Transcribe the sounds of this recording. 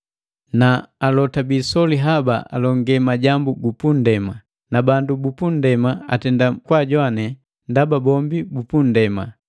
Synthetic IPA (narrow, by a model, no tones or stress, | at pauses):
naːlɔtabisɔliɦaba̰ʔa̰lɔŋɡɛmaɟambuɡupundɛma | nabandubupundɛmaa̰tɛndakwaɟwanɛ | ndababɔmbibupun̩dɛma